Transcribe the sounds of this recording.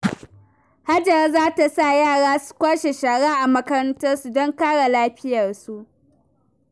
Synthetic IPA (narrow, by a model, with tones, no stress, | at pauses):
ha˦d͡ʒɐ˨ɾzaː˦ta˨sa˦˨jaː˦˨ɽaː˦su̥˦kʷaː˦ʃe˨ʃaː˨ɽaː˦ʔa˨mɐ˦kɐ˦ɾɐ˦ntɐ˦rsu˨dɔ˦ŋkaː˦ɽa˨laː˦ɸɪ˦jɐ˨rsu˨ʔ